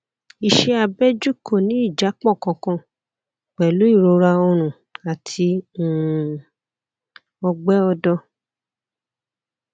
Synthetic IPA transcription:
i˨ʃɛ˧a˧bɛ˦d͡ʒu˦ko˦˨nĩ˨˦i˦˨d͡ʒa˨˦k͡pɔ̃˦˨kɔ̃˧kɔ̃˧ | k͡pɛ˨lu˨˦i˦˨ɾo˧˦ɾa˧o˧ɾ̃ũ˨ | a˨tʰĩ˧˨ | ɔ˧ɡ͡bɛ˦ɔ˧dɔ˧

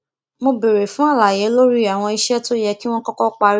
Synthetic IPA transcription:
mo˧be˨ɾe˨fũ˨˦a˦˨la˨jɛ˨˦lo˦ɾi˦a˨w̃ɔ̃˧i˧ʃɛ˦to˦jɛ˧ki˦w̃ɔ̃˦kɔ˦kɔ˦k͡pa˧ɾ

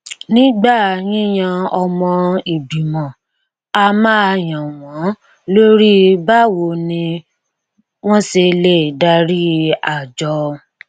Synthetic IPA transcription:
nĩ˦ɡ͡ba˦˨jĩ˦j̃ã˧ɔ˧mɔ̃˧i˨bi˨mɔ̃˨ | a˧mã˦a˧˨jã˨w̃ɔ̃˨˦ | lo˦ɾi˦ba˦wo˧˨nĩ˧ | w̃ɔ̃˦se˧le˦˨da˧ɾi˦a˨d͡ʒɔ˧˦

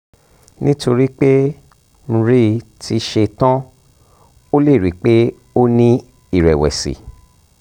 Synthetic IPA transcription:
nĩ˦to˧ɾi˦k͡pe˦ | ñ̩˧ɾi˦tʰi˦ʃe˧tã˦ | o˦le˦˨ɾi˨˦k͡pe˦ | o˦nĩ˦ | i˦˨ɾɛ˨wɛ̰˨sḭ˨

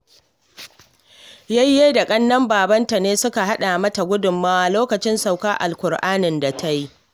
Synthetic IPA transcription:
ja˦jːeː˦da˨kʼɐ˦nːɐ˦mbaː˨bɐ˦nta˨neː˦sʊ˦ka˨ɦa˦ɗa˨mɐ˦ta˨ɡʷʊ˦dʊ˨mːaː˦a˨loː˦kɐ˨t͡ʃɪ˦nsa˨wkaː˦ʔa̰˨lkʷʊ˨rʔaː˦nɪ˨nda˨tʰa˦ji˦

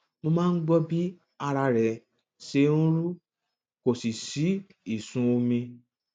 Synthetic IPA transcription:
mo˧mãː˦n̩˦ɡ͡bɔ˦bi˦ | a˧ɾa˧ɾɛ˨ | ʃe˧n̩˦ɾu˦ | ko˨si˨si˨˦ | i˦˨sũ˧o˧mĩ˧

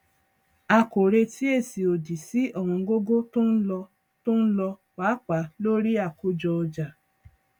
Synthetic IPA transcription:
a˧ko˨ɾe˧ti˦e˦˨si˨o˨di˨si˦ʔɔ˦˨ɾũ˧˦ɡo˦ɡo˦tũ˦n̩˦lɔ˧ | tũ˦n̩˦lɔ˧wa˨˦k͡pa˨˦lo˦ɾi˦a˦˨ko˦d͡ʒɔ˧ɔ˧d͡ʒa˨

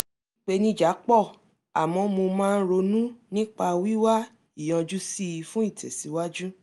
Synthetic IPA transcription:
ĩ˦k͡pe˦nĩ˦˨d͡ʒa˨˦k͡pɔ˦˨ | a̰˨mɔ̃˨˧mo˧mãː˦˧n̩˦ɾo˧nũ˦nĩ˦k͡pa˧wi˦wa˦ | i˦˨j̃ɔ̃˧d͡ʒu˦si˦i˧fũ˦i˦˨tʰɛ˨si˨˦wa˦d͡ʒu˦

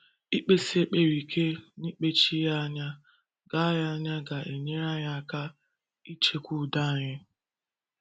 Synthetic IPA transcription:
i˦k͡pe˦si˦e˦k͡pe˨ɾi˨kʰe˦ni˦k͡pe˦t͡ʃi˦ja˦a˦ɲa˦ | ɡ̥a˦ja˦a˦ɲa˦ɡa˨ʔe˨ɲe˦ɾa˦ɲa˦ka˦ | i˦t͡ʃe˦kʷu˦˨da˦a˨ɲɪ˦

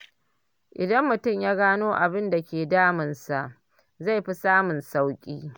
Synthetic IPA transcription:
ʔɪ˨dɐ˦mːʊ˨tʊ˦˨mjaː˦ɡaː˦noː˦ʔa˨bɪ˦nda˨kʲeː˨daː˦mɪ˨nsa˨ʔ | za˦˨jɸi˦saː˦mʊ˨nsa˦wkʲʼiː˦

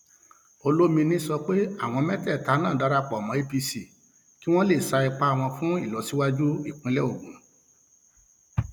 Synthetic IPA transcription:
o˧lo˦mĩ˧nĩ˦sɔ˧k͡pe˦a̰˦˨w̃ɔ̃˧mɛ̃˦tɛ˦˨ta˨˦nãː˦˨da˨˦ɾa˦k͡pɔ˨mɔ̃˨˦e˦pi˧si˨ | ki˦w̃ɔ̃˦le˦˨sa˧i˧k͡pa˦a˨w̃ɔ̃˧fũ˦i˦˨lɔ˨si˨˦wa˦d͡ʒu˦i˦˨k͡pĩ˧˦lɛ˦o˦˨ɡũ˨˦

